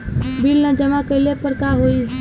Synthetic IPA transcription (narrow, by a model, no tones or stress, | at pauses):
bilnəd͡ʒəmakəɪlepəɾkaɦoi